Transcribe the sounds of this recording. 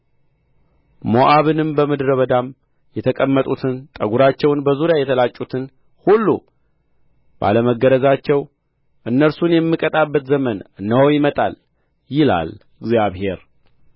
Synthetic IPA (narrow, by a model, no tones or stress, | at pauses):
moʔaβɨnɨmbəmɨd̪ɾəβəd̪am | jɛt̪ʰəkʼəmːət̪ʼut̪ʰɨnt̪ʼəɡuɾat͡ʃːɛwnbəzuɾjajɛt̪ʰəlat͡ʃʼːut̪ʰɨn | hulːṵ | b̥a̰ləməɡəɾəzat͡ʃːɛw | ʔɨnːəɾsunjɛmːɨkʼət̪ʼabːət̪zəmənːəwjɪmət̪ʼa̰l | jɪla̰l | ɨɡzijaβhe̞ɾ